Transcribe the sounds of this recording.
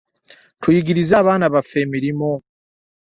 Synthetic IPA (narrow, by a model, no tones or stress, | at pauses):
tʰujiɡiɾizaːβaːnaβafemiɾimo